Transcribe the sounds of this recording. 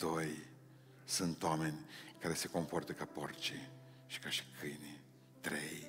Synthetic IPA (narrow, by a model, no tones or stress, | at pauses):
d̪̥oj | sunt̪oame̞nʲkaɾe̞se̞ko̞mpo̞rt̪əkaport͡ʃi | ʃi̥kaʃi̥kʰɨjni | t̪ɾḛj